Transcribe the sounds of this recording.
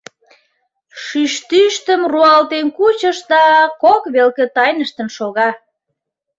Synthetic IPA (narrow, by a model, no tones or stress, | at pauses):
ʃyʃt̪yʃt̪əmruɑlt̪enkut͡ɕəʃd̪ɑkokβelkĕt̪ɑjnəʃt̪ə̆nʃoɣɑ